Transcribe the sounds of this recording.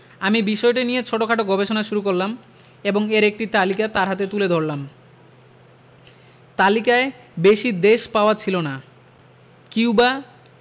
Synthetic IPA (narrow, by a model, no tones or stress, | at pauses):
amibiʃɔeʈanijet͡ɕʰoʈokʰaʈoɡʱɔbeʃonaʃuɾukoɾlam | eboŋeɾek̚ʈit̪alikat̪aɾɦat̪et̪uled̪ʱoɾlam | t̪alikae | beʃid̪eʃpaoat͡ɕʰilona | kiwba